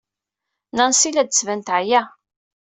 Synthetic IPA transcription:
nænsilæd̪̚t͡sːvænt̪ʕjæ

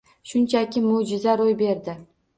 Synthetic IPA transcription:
ʃʊnt͡ʃʰakʲʰɪmʊd͡ʒɪzaɾojbe̞ɾd̪ɪ

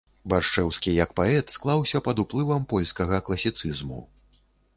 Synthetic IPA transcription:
barʂt͡ʂɛwskʲijɐkpaɛt̪sklˠawsʲɐpɐd̪uplˠɨvɐmpɔlʲskɐɣɐklˠɐsʲit̪sɨzmṵ

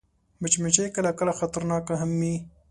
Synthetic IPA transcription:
mət͡ʃmɪt͡ʃejkəlakəlaxat̪aɾnɑːkaɦamːi

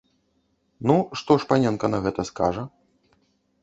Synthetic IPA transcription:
nuʂt̪ɔʂpanʲɛnkɐnɐɣɛt̪ɐska̰ʐɐ

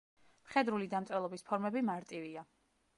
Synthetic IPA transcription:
mχɛd̪ɾulid̪amt̪sʼɛlˠɔbispʰɔɾmɛbimaɾt̪ʼivia

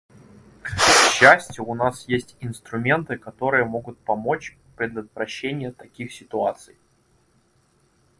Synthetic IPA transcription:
kɕːæsʲtʲjʊːnasjesʲtʲɪnst̪ɾʊmʲe̞nt̪ɨkɐt̪o̞ɾɨjəmo̞ɡʊt̪̚pɐmo̞t͡ɕ | pɾʲɪd̪ət̪vɾɐɕːenʲɪjət̪ɐkʲixsʲɪt̪ʊat̪sɨj

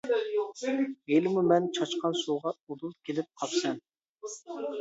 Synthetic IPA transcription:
elɪmumɛnt͡ʃʰɑt͡ʃqʰɑnsuʁɑud̪ulˠt̪kʲʰelɪp̚qʰɑpsɛn

